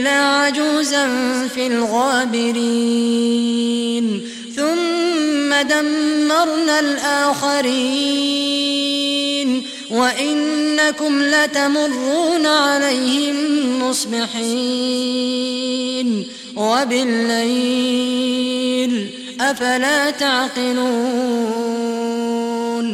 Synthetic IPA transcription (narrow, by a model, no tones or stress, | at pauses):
laːʕad͡ʒuːzanfiːlɣaːbɪɾi | n | θʊmː | ad̪amːɑɾˤnalʔaːxaɾi | n | waʔɪnːakʊmlat̪amʊrˤːuːnʕalajhɪmmːʊsˤbɪħi | n | wabɪlːaj | l | ʔafalaːt̪aʕqɪluː | n